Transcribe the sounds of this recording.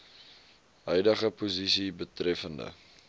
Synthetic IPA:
ɦœjdəχəpuzisibətrɛfəndə̰

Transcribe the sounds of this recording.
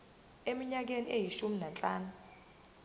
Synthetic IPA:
emiɲak̬eniejiʃuminant͡ɬʼaːnu

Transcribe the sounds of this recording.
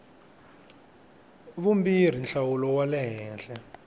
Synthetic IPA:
βumbir̤inɬawulɔwalɛɦɛːnɬɛ

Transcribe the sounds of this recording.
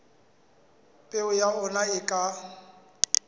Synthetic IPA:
pʼeʊjaʊnaɪkʼa

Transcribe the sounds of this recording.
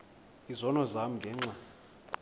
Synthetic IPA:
izɔnɔzam̩ŋɡʱɛːŋ͡ǁa

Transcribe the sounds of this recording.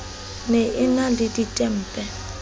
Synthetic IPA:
nɛʔɪnadiditʼɛm̩ːpʼɛ

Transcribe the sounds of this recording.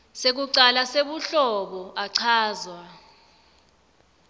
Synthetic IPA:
sek̬uǀalaseɓuɬɔɓɔaǀʰaːzwa

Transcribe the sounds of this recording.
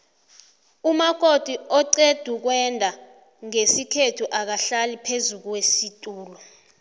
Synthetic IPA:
umaɡ̥ʼʱod̥ʱiɔǀed̥ʱuk̬wɛndʱa | ŋesikʰetʰuʔak̬aɬalipʰezuk̬wesitʼuːlɔ

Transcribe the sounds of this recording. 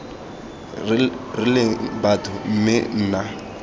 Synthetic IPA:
rɪlɪbatʰʼʊm̩mɪn̩ːna

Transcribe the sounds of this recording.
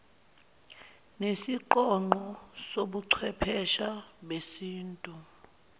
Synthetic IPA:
nesiǃɔŋ͡ǃʱɔsoɓuǀʰwɛpʰɛʃaɓesiːntʼu

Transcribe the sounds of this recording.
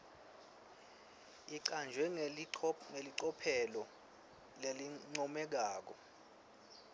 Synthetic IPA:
iand͡ʒʱwɛ | ŋeliǀɔpʰɛlɔ | leliŋ͡ǀɔmɛk̬aːk̬ɔ

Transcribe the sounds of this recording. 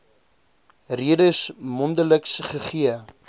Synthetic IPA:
riədəsmɔndələksχəχiə

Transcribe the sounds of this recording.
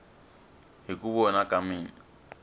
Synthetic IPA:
ɦikʼuβɔnakʼamiːni

